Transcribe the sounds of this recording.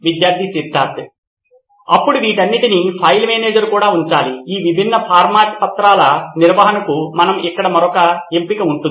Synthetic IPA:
ʋid̪jaːɾd̪ʱisid̪ʱːaːɾt̪ | ɐ̰pːuɽuʋiːʈɐnːiʈinipʰɐjlmeːneːd͡ʒɐɾkuːɽaːuɲt͡ʃaːliiːʋibʱinːɐpʰaːɾmaːʈpɐt̪ɾaːlɐniɾʋɐɦɐnɐkumɐnɐmikːɐɽɐmɐɾɔkɐempikɐuɳʈun

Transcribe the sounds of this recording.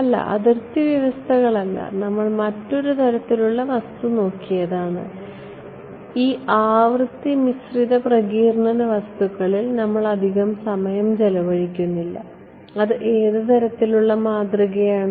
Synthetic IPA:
ɐlːɐ̰ʔɐ̰ðɨrt̪ːiʋjɐʋɐst̪ʰɐɣɐɭɐlːɐ̰nɐmːɐɭmɐtːo̞ɾut̪ʰɐɾɐt̪ːiluɭːɐʋɐst̪uno̞ːkːijɐðaːɳɨ̰ | iːaːʋrɨt̪ːimisriðɐprɐɣiːrɳɐnɐʋɐst̪uɣɐɭilnɐmːɐɭɐd̪ʱiɣɐmsɐmɐjɐmt͡ɕelɐʋɐɻikʲːunːilːɐ̰ | ɐðɨʔe̞ːðɨt̪ʰɐɾɐt̪ːiluɭːɐmaːd̪rɐɣɐjaːɳɨ

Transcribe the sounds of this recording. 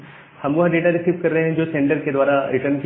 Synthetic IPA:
hɐmʋoɦɖeːʈaɾɪsiːʋkɐɾːɐɦeɦɛ̃d͡ʒoːsẽːɳʈəɾked̪ʋaːɾaɪʈənk

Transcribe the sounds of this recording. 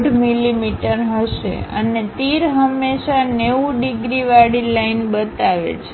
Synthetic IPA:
ɖʱmilimiʈəɾɦəʃḛə̰net̪iɾɦəmːeʃaneʋũɖiɡɾiʋaɽilainbət̪aʋḛt͡ʃʰe̥

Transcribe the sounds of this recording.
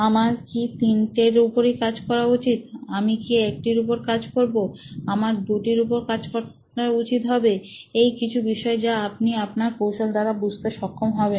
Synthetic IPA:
amaɾkit̪inʈeɾupoɾikad͡ʑkɔɾaut͡ɕit̪amikiek̚ʈiɾupoɾkad͡ʑkoɾboamaɾd̪uʈiɾupoɾkad͡ʑkɔ | aut͡ɕit̪ɦɔbeejkit͡ɕʰubiʃɔed͡ʑaapniapnaɾpowʃald̪aɾabud͡ʑʱt̪eʃɔkʰːomɦɔben

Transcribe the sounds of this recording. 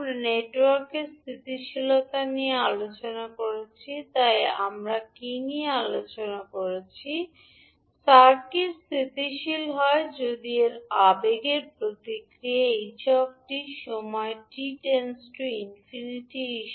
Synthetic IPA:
neʈwaɾkeɾst̪ʰit̪iʃilot̪aniealot͡ɕonakoɾet͡ɕʰit̪ajamɾakiniealot͡ɕonakoɾet͡ɕʰi | saɾkiɾst̪ʰit̪iʃilɦɔed͡ʑod̪ieɾabeɡeɾpɾot̪ikɾieeʃɔb̚ʈiʃɔmɔeʈiʈensʈuinfiniʈiiʃ

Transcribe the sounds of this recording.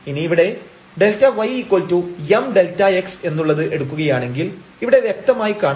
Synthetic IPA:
iniːʋiɽe̞ | ɖe̞ltːɐʋɐjikːoltːuemɖe̞ltːɐekse̞nːuɭːɐðɨʔe̞ɽukːuɣɐjaːɳe̞ŋɡiliʋiɽe̞ʋjek̚t̪ɐmaːjikaːɳ

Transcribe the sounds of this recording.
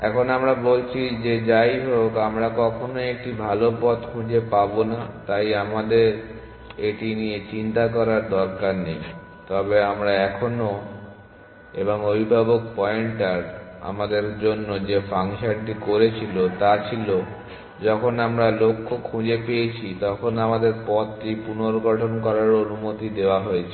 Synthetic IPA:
ɛkʰonamɾabolt͡ɕʰid͡ʑed͡ʑajɦokamɾakɔkʰonoek̚ʈibʱalopɔt̪kʰũd͡ʑepabonat̪ajamad̪eɾ | eʈinijet͡ɕint̪akɔɾaɾd̪ɔɾkaɾnej | t̪ɔbeamɾaɛkʰono | eboŋobʱibʱabok̚pɔeɳʈaɾa̰mad̪eɾd͡ʑonːod͡ʑefaŋʃanʈikoɾet͡ɕʰilot̪at͡ɕʰilo | d͡ʑɔkʰonamɾalokʰːokʰũd͡ʑepejet͡ɕʰit̪ɔkʰonamad̪eɾpɔt̪ʈipunoɾɡɔʈʰonkɔɾaɾonumot̪id̪eoaɦojet͡ɕʰe

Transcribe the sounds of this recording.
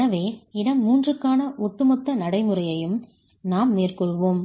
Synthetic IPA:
ɐʋeːɪɽɐmːuːndrɯkːaːnɐʔɔt̪ːɯmɔt̪ːɐnɐɽɐɪmɯrɐjɐjɯm | naːmːeːrkɔɭʋoːm

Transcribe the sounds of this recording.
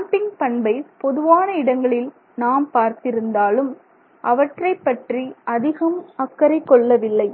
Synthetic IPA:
aʈɪŋɡpɐɳbɐɪpɔðɯʋaːnɐɪɽɐŋɡɐɭɪl | naːmpaːɾt̪ɪɾɯnd̪aːlɯm | ʔɐʋɐʈrɐɪpːɐʈriʔɐðɪɣɐmɐkːɐɾɐɪkːɔɭːɐʋɪlːɐɪ

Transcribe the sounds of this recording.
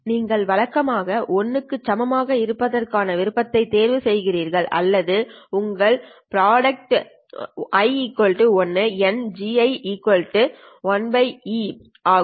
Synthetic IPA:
niːŋɡɐɭʋɐɻɐkːɐmaːɣɐʔɔnːɯkːɯt͡ʃːɐmɐmaːɣɐɪɾɯpːɐðɐrkaːnɐʋɪɾɯpːɐt̪ːɐɪt̪ːeːɾʋɯsɛjɣɪriːɾɣɐɭʔɐ̰lːɐðɯʊŋɡɐɭpɪɾaːɽɐk̚ʈ | ɐɪikːɔɭʈɯɔnːɯɛnd͡ʒiɐɪikːɔlʈɯ | ʋɐnbɐɪi | ʔaː

